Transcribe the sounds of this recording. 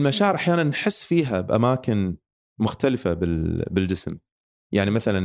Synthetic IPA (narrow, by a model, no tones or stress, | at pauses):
lmaʃaːʕɪɾʔaħjaːnanːħɪsːfiːɦabʔa̰maːkɪn | mʊxt̪alɪfabɪlbɪld͡ʒɪsm | jaʕnimaθalan